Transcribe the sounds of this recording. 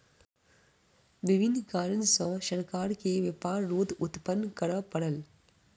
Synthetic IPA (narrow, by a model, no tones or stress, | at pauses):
ʋɪʋʱɪnːkaːɾənsə̃ʃəɾkaːɾkeʋəpaːɾːoːd̪ʊt̪pənːkəɾəpəɽəl